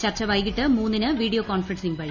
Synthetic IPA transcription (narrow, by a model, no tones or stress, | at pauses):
t͡ɕɐrt͡ɕːɐʋɐjkiʈːɨmuːnːinɨʋiːɽijoːkoːnfɾɐnsiŋbɐɻi